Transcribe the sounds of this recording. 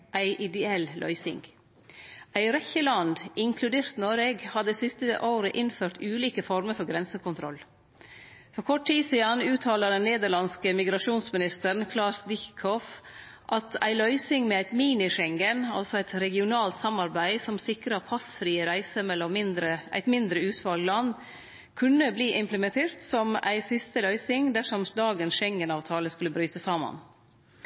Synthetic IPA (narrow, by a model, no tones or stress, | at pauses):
ʔæɪʔɪd̪ɛɛllʔœ̰ʏsɪ̰ŋɡ | æɪɾɛçəlɑnd̪ɪŋkʰlʉd̪eːɾt̪noːɾeːɡhɑd̪əsɪst̪əʔoːɾəʔɪnføːʈ̪ʉːliːkəfɔɾməɾfɔɾɡɾɛnsəkʊnt̪ʰɾɔl | fɔkʰɔʈ̚ʰːiːsiːɑnːʉːt̪ʰɑːləd̪ɛnːeːd̪əɭɑnskəmɪɡɾɑʂuːnsmɪnɪst̪əɾɳ̩kʰlɑːsd̪ɪkʰɔfʔɑt̪ʰæɪlœʏsɪŋmɛæɪt̪miːnɪʂɛŋɡənɑ̰lsɔæɪt̪ɾɛɡɪʊnɑːlt̪sɑmɑɾbæɪsɔmsɪkɾɑɾpʰɑsfɾiːəɾæɪsəmɛlːɔɪnd̪ɾəʔæ̰ɪt̪mɪnd̪ɾəʉːt̪ʰʋɑlɡlɑnː | kʰʉnːəbliːʔɪmpləmɛnt̪ʰeːɾt̪sɔmæ̰ɪsɪst̪əlœʏsɪŋd̪æʂɔmd̪ɑːɡənsʃɛŋːənɑːʋt̪ʰɑːləskʉləbɾyːt̪əsɑːmɑ̰n